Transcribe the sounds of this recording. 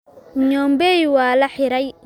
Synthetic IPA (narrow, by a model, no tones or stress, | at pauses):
ɲɔːmbɛjwɑːlɐħɪɾɛj